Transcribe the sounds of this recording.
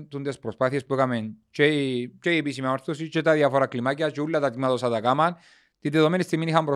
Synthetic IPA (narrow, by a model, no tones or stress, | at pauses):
nt̪und̪espɾospaθjespekament͡ʃet͡ʃejepis̬imamaɾθos̬it͡ʃet̪aðjafoɾaklimak̬jat͡ʃulːat̪at̪imaðosat̪akaman | t̪it̪eðomenest̪eminixambɾo